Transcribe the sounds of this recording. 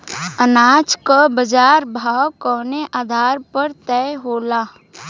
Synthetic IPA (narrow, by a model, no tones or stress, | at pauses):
ənaːt͡ʃkabəd͡ʒaːɾbʱaːwkɔːneʔaːd̪ʱaːɾpəɾt̪ɛːɦoːlaː